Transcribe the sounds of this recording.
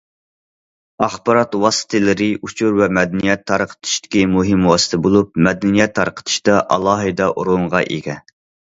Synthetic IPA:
ɑχbɑɾɑt̪wɑsɨ̥t̪ʰɨlɨɾɪʔut͡ʃʰuɾvɛmɛd̪ɛnijɛt̪ʰːɑɾqʰə̥t̪ʰɨ̥ʃt̪ɪ̥kʲimuɦɪmwɑːsɨ̥t̪ʰɨbolˠup̚mɛd̪ɪnijɛt̪ʰːɑɾqʰə̥t̪ʰɨ̥ʃt̪ɑʔɑlˠɑːɦɨd̪ɑʔuɾoɴʁɑʔḛɡʲɛ

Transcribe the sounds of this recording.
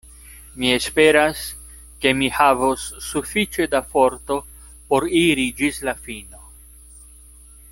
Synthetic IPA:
mie̞spe̞ɾas | ke̞mihavosːufit͡ʃe̞dafo̞ɾt̪o̞ | po̞ɾiɾid͡ʒislafino̞

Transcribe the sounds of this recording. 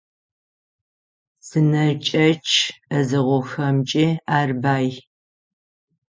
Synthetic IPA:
sɨnɐt͡ʃʼɐt͡ʃʼʰɐzɨʁʷɔxɐmt͡ʃʼiaːrbaːj

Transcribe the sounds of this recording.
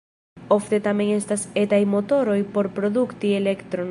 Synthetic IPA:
oft̪et̪amẽŋest̪aset̪ajmot̪oɾojpoɾpɾoðukt̪ielekt̪ɾo

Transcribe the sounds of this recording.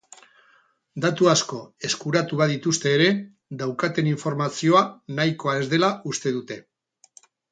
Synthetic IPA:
d̪at̪uasko̞e̞skuɾat̪uβaðit̪ust̪e̞ːɾe̞ | d̪awkat̪e̞niɱfo̞ɾmasio̞anajko̞ae̞zd̪e̞laʔust̪e̞ðut̪e̞

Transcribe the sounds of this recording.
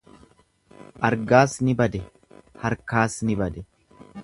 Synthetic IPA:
ʔɐɾɡaːsnɪbɐd̪ɛ | hɐɾkaːsnɪbɐd̪ɛ

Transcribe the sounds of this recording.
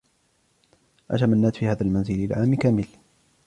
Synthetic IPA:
ʔa̰t̪amanːaːt̪fiːhaːðalmanzɪlalʕaːmkaːmɪl

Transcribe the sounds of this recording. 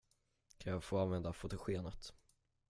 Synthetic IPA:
kʰanjɑːɡfoːanvɛnd̪afʊt̪ʊɧeːnat̪

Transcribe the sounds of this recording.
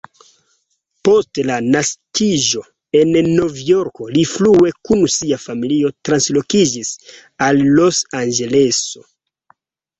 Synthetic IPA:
po̞stlanaskʰiʒo̞ | e̞nːo̞vjo̞ɾko̞liflue̞kunsiafamiliotɾanslo̞kid͡ʒis | alːo̞sanɡe̞le̞so̞̰

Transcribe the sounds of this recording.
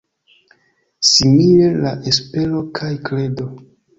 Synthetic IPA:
similelaʔespe̞lo̞kʰajkle̞do̞

